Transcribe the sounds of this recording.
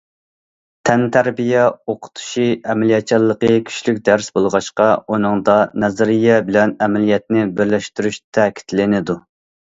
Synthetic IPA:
t̪ʰɛnt̪ʰæɾbijɛoqʰʊ̥t̪ʰu̥ʃiɛmɛlijɛt̪̚t͡ʃʰɑlˠːəqəkʲʰy̥ʃlykʲd̪æɾsbolˠʁɑʃqɑunɨŋd̪ɑnɛzɪɾijɛbɪlɛnɛmɛlijɛt̪̚nɪbɪɾlɛʃt̪yɾyʃt̪ʰækʲʰi̥t̪lɪnɪd̪u

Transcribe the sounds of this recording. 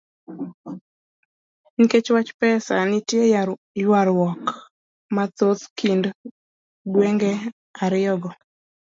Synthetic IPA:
niket͡ʃwat͡ʃpɛsanɪtje | jwaɾwɔk | mat̪ot̪kind | ɡweŋɡɛ | aɾɪjɔɡɔ

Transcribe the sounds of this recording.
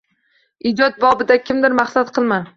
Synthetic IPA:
ɪd͡ʒɒt̪̚bɒbɪd̪akʲʰɪmd̪ɪɾmaχsat̪̚qʰɨlˠma

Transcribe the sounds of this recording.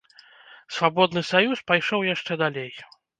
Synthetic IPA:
svabɔd̪nɨsajuspajʂɔwjaʂt͡ʂɛd̪alʲej

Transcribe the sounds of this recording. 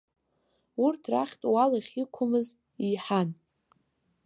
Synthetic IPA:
urtʰraχʲtʼwalaχʲikʷʰʊmɨz | iħan

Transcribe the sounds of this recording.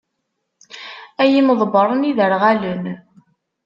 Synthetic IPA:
æjiməðˤbəɾˤəniðəɾʁælən

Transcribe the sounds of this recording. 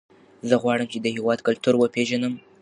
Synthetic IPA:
zəɣwɑɽəmt͡ʃed̪əɦewɑd̪kalt̪uɾwəpeʒanəm

